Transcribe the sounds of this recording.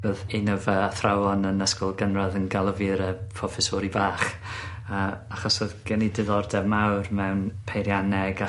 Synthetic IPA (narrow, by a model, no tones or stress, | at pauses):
boːðenəvəaθrawɔnənəskɔlˠɡənraðənɡalˠəvɨɾəpʰrɔfɛsɔɾibaːχ | əːaχɔsoðɡ̥ɛnidɪðɔrdɛvmawrmɛwnpʰejɾjanɛɡa